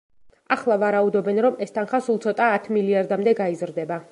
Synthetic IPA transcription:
aχlˠavaɾaud̪ɔbɛnɾɔmɛst̪ʰanχasulˠt̪sʰɔt̪ʼaːt̪ʰmiliaɾd̪amd̪ɛɡaizɾd̪ɛba

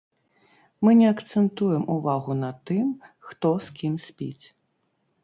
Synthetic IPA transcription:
mɨnʲɛɐkt̪sɛnt̪ujɛmʔuvaɣunɐt̪ɨmxt̪ɔskʲimsʲpʲḭt͡sʲ

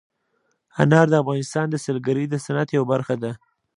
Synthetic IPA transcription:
anɑɾd̪əafɣɑnɪst̪ɑnd̪əsəlɡaɾid̪əsanat̪jawabaɾxad̪a

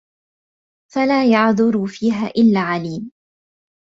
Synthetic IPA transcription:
falaːjaʕðˤʊɾuːfiːɦaːʔɪlːaːʕaliːm

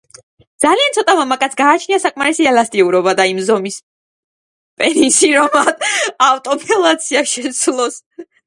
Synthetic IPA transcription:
d̪zaliant̪sʰɔt̪ʼamamakʼat̪sɡaːt͡ʃʰniasakʼmaɾisiɛlast̪ʼiuɾɔbad̪aimzɔmis | pʼɛninsiɾɔmad̪aft̪ʼɔpʰʼɛlˠat̪sʰiaʃɛt̪sʰlˠɔs

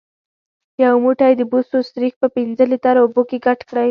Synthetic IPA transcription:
jawmuʈajd̪əbusost̪ɾix̚pəpinzəlit̪aɾobokeɡaʈkɽaj

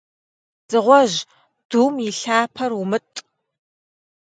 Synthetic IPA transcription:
z̥ɨʁʷɔʒ | d̥uːmjɪɬaːpʰɐrwumɨtʼ

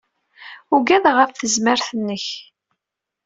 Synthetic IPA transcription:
ʊɡæðʁəfθəzməɾθənːəç

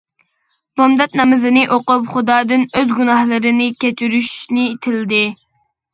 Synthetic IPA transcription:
m̥umd̪ɛt̪̚nɛmɪzɪnɪʔoqʊpχʊd̪ɑːd̪ɨnøzɡʲunɑhlˠɨɾɨnɪkʲʰɛt͡ʃ̪ʰyɾyʃnɪt̪ʰɪld̪ɪ

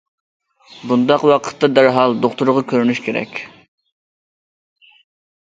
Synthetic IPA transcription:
bund̪ɑqwɑqʰə̥t̪ːɑd̪æɾɦɑlˠd̪oχt̪uɾʁɑkʲʰøɾynyʃkʲʰeɾɛ̰kʲ

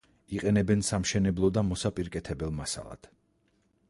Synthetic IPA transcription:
iqʼɛnɛbɛnsamʃɛnɛblˠɔd̪amɔsapʼiɾkʼɛt̪ʰɛbɛlˠmasa̰lˠa̰d̪̥

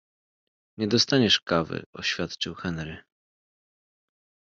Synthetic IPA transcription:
ɲɛd̪ɔst̪aɲɛʂkavɘ̰ɔɕfʲjat̪t͡ʂɘwxɛnɾɘ

